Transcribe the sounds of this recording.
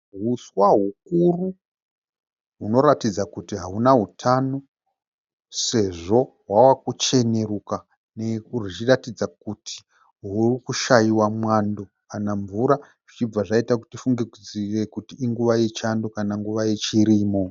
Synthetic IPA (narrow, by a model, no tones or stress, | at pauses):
ɦuswaɦukuru | ɦuno̞ɾatid͡zakutiɦaɦunaɦutʰano̞ | se̞ʐo̞ɦwawakut͡ʃe̞ne̞ruka | neurit͡ʃiratid͡zakutʰi̥ | ɦurikuʃajiwamwando̞ | anaɱvuɾa | ʐit͡ʃib͡vaʐaitakutifuŋɡekid͡zirekutiːŋɡuʋaet͡ʃando̞kanaŋɡuʋaet͡ʃiɾiːmo̞